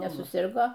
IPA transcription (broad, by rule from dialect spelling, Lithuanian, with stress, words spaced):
nʲɛsʊˈsʲɪrɡoː